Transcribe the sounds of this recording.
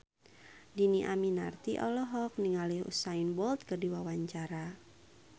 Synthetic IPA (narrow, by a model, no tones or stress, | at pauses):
diniʔaminart̪iʔɔlɔɦɔk̚niŋaliṵsainbɔlt̪̚kərdiwawaɲt͡ʃaɾa